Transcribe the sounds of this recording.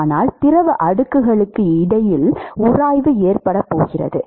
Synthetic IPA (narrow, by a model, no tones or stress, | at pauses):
naːlt̪ɪrɐʋɯʔɐɽɯkːɯɣɐɭɯkːɯɪɽɐjɪlʊɾaːjʋɯeːrpɐɽɐpːo̰ːɣɪrɐ̰ðɯ